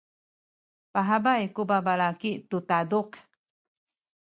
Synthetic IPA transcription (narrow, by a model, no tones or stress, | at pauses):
paɦabajkubabalakitut̪aduk